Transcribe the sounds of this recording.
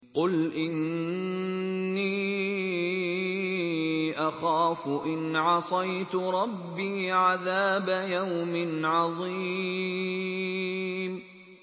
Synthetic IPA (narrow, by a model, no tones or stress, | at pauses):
qʊlʔɪn | iː | ʔaxaːfʊʔɪnʕɑsˤɑjt̪ʊɾˤɑbːiːʕaðaːbajawmɪnʕɑðˤiː | m